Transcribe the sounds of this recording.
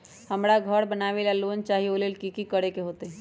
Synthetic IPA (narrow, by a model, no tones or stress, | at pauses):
həmɾaɡʱəɾbənaʋelalont͡ʃaɦiolelkikikəɽekeɦoːt̪e